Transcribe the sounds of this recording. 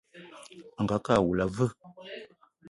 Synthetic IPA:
ŋ̩˨ɡa˨˦ka˦˨wu˨la˨və˦

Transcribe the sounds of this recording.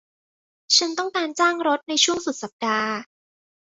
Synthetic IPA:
t͡ɕʰa˧nt̪ɔ˥˩ŋkaː˧nt͡ɕaː˥˩ŋɾo˦˥t̪̚na˧jt͡ɕʰu˥˩əŋsu˨˩sa˨˩p̚daː˧

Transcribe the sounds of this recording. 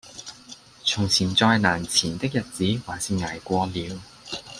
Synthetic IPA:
t͡sʰʊ˨˩ŋt͡sʰiː˨˩nt͡sɔː˧jnaː˨˩nt͡sʰiː˨˩nt̪ɪ˥k̚jɐ˨t̚t͡siː˨˥waː˨˩nsiː˧ŋaː˨˩jkʷɔː˧liː˨˧w

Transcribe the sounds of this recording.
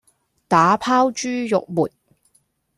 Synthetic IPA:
t̪aː˨˥pʰaː˥wt͡ʃyː˥jʊ˨k̚muː˨t̚

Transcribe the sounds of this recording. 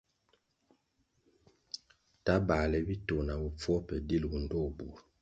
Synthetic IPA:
ta˦ba˨lɛ˨bi˦to˨na˨bu˨p͡fɔ˦pɛ˨di˦lwu˨n˦dɔ˦˨bu˨ɾ

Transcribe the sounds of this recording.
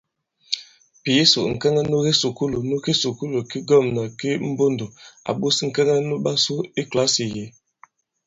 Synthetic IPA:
pi˨ji˦sṵ˨ʔŋ̩˨kɛ˦ŋa˦nu˦ɡi˦su˨ku˦lo˨nu˦ki˦su˨ku˦lo˨ki˦ɡɔ˦˨mnə˨ki˦m̩˦bo˦ndo˨a̰˨ɓu˦sŋ̩˨kɛ˦ŋa˦nu˦ɓa˦su˦i˦kla˨˦si˨je˨˦

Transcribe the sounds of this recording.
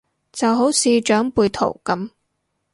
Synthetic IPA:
t͡sɐ˨wɦo˨˥wsiː˧t͡ʃœː˨˥ŋpuː˧jt̪ʰo̰˨˩wkɐ˨˥m

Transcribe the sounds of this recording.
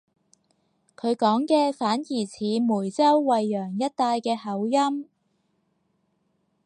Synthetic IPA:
kʰɵ˨˧ɥkɔː˨˥ŋkɛː˧faː˨˥njiː˨˩t͡sʰiː˨˥muː˨˩jt͡sɐ˥wːɐ˨˧jːœː˨˩ŋjɐ˥t̚t̪aː˧jkɛː˧hɐ˨˥wjɐ˥m

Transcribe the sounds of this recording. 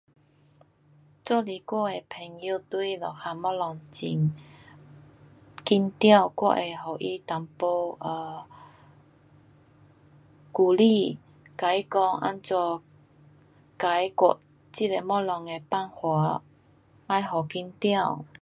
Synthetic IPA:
t͡sɔ˥˧˨li˨˩kwɔ˥˨e˨pʰɛ˨˩ŋji˧˦t̪u˦i˦lɔ˨˩xa˧mɔ˦˥lɔ˨˧ŋt͡ɕi˧˩ŋ | ki˦˥nt̪ja˥˧˨wkwɔ̰˥˧ʔe˨˩ɦɔ˨˩ʔi˦t̪a˨˦mpo˧ʔə˧˩ | ku˧li˥˧ | ka˨˦jkɔ˧ŋʔa̰˧˥nt͡sɔ˧ | ka˨˧˦jkɔ˨˩ | t͡ɕi˧˥te˧mɔ˦˥lɔ˨˧ŋe˨pa˥˧˨nhwa˨˧˦ | a˧˦jɦɔ˨˩ki˧˥nt̪ja˥˧˨w

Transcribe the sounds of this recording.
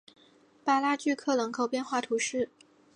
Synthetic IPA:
pa˥˩la˥t͡ɕy˥˧kʰɤ˥˩lɤ˧˥ŋkʰo˨˩ʊpjɛ˥˧nxwa˥˩t̪ʰu˧˥ʂɻ̩˥˩

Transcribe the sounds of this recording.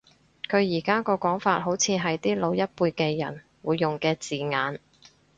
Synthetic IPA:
kʰɵ˨˧ɥjiː˨˩kaː˥kɔː˧kɔː˨˥ŋfaː˧t̚ɦo˨˥wt͡sʰiː˨˧ɦɐ˨jt̪iː˥lo˨˧wjɐ˥t̚puː˧jkɛː˧jɐ̰˨˩n | wuː˨˧jːʊ˨ŋkɛː˧t͡siː˨ŋaː˨˧n

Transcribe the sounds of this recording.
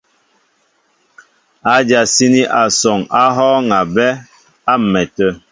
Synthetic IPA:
a˨d͡ʒa˨si˦ni˦ʔa˨sɔ˨ŋa˦ɦɔː˦ŋa˨bɛ˦ | a˦˨mɛ˨tə˦˨

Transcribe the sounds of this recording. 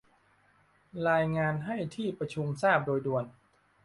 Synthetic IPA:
ɾaː˧jŋaː˧nɦa˥˩jt̪ʰiː˥˩pɾa˧t͡ɕʰu˧msaː˥˩p̚doː˧jdu˧ən

